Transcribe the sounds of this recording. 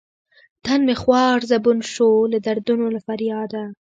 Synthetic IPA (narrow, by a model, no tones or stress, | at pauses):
t̪anmexwɑːɾzabunʃolad̪aɾd̪unolafaɾjɑːd̪a